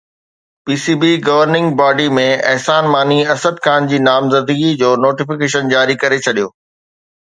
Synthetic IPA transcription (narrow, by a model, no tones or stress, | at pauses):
piːsiːbiɡɐʋəɾnɪ̃ŋɡbaːɖimẽɐɦsaːnmaːniɐsəd̪kʰaːnd͡ʑiːnaːmzɐnd̪əɡid͡ʑoːnoːʈɪfɪkeːʃənd͡ʑaːɾikɐɾet͡ɕʰɐɗijoː